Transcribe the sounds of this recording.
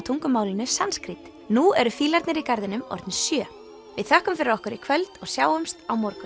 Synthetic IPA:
t̪ʰuŋkʏmaːwlɪnʏsanskɾit̪ | nuɛɾʏfiːlaɾt̪nɪɾikaɾðɪnʏmɔ̰ɾt̪nɪsjœː | vɪðθœhkʏmfɪɾɪɾɔhkʏɾikʰvœlt̪ɔɣsjaːwʏmst̪awmɔɾkʏ

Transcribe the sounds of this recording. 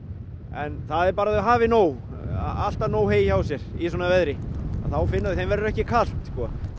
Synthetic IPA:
ɛnθaðɛɾpaːɾaðɦaːvɪnoːw̰ | a̰l̥t̪anoːwɦeːjawsjɛɾ̥isɔːnavɛðɾɪa̰θawfɪnːaðʏθejmvɛɾʏɾɛhcɪkʰal̥t̪skɔ

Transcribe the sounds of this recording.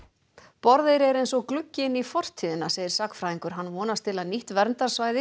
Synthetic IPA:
pɔɾðejɾɛɾejnsɔɣklʏcːɪnifɔr̥t̪ʰiːðɪnːaseːjðɪɾ̥sakfɾaːiŋkʏɾ̥ɦanːvɔːnast̪ʰɪlaðniht̪vɛɾnt̪aɾ̥svaːjðɪ

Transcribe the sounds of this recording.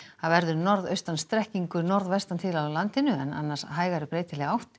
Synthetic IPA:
aðvɛɾðʏnɔɾðœɥst̪anst̪ɾɛhciŋkʏnɔɾðvɛst̪ant̪ʰɪlawlant̪ɪnʏɛna̰nːasɦaːjɣaɾʏpɾeːjt̪ɪlɛɣawht̪

